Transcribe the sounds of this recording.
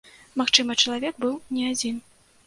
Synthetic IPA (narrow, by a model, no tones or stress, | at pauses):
maxt͡ʂɨmɐt͡ʂɐlˠavʲɛk̚bɨwnʲɛad͡zʲin